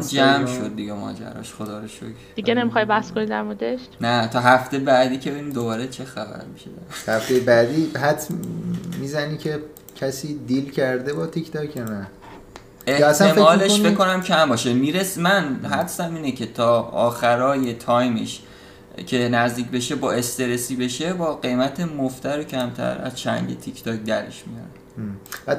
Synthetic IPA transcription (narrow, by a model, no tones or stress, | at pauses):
d͡ʒæmʃod̪̚ːiɟemɒ̰ːd͡ʒæ̰ɾɒ̰ʃxod̪ɒːɾoʃo̰kʰ | d̪iɡenemixɒːjbæskonid̪æɾmud̪eʃnæt̪ʰɒːɦæft̪ʰejebæd̪iːcʰe̞benimd̪obɒːɾet͡ʃʰe̞xæbæ̰ɾmiʃed̪æɾhæft̪ʰejebæd̪iːɦæt̪smiːzæniːcʰe̞ | cʰæsiːd̪iːlcʰæɾd̪ebɒːt̪ʰect̪ʰɒːkʰjɒnæ | e̞hæsænemeɒːle̞ʃffekːo̞næmcʰæmbɒːʃemiːɾesmænɦæd̪sæmiːnecʰe̞t̪ʰɒːɒːxæɾɒːje̞t̪ʰɒjmḛʃ | cʰe̞næzd̪iːcʰbe̞ʃe̞bɒːe̞st̪e̞ɾe̞siːbe̞ʃe̞bɒːɢe̞jmæt̪ʰe̞moft̪ʰæɾocʰæmt̪ʰæ̰ɾæ̰z̥t͡ʃʰæ̰ŋɟe̞̰t̪ʰict̪ʰɒcd̪æɾḛʃmijɒ̰ɾe | b̥æd̪